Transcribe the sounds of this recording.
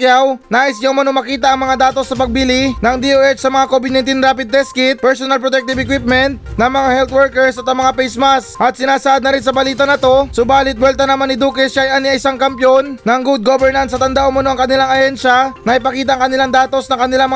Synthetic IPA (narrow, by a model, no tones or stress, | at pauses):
jawnaːʔɪsɲaʔʊmɐnomɐkiːt̪ɐʔɐŋmɐŋad̪aːt̪o̞snɐpɐɡ̚bilɪnɐŋd̪iʔoːʔɛt͡ʃsɐmɐŋakoːbɪd̪nɐjnt̪inɾaːpɪd̪̚ːɛskɪt̪̚pɛɹsonɐlpɾot̪ɛk̚t̪ɪbɛkwɪp̚mɛnt̪nɐŋmɐŋahɛlt̪wɛɹkɛɹsɐt̪ɐŋmɐŋapɛjsmasʔɐt̪̚sɪnaːsɐʔad̪nɐɾɪnsɐbɐliːt̪ɐnɐt̪o̞sʊbaːlɪt̪̚wɛlt̪ɐnɐmanːɪd̪uːkɛsːaʔɐjʔaniɐʔɪsaŋkɐmpjonnɐŋɡud̪̚ɡobɛɹnɐnsːɐt̪ɐnd̪aʔʊmɐnoɐŋkɐnɪlaŋɐhɛnʃɐnɐʔɪpɐkiːt̪ɐʔɐŋkɐnɪlaŋd̪aːt̪o̞snɐŋkɐnɪlaŋmɐ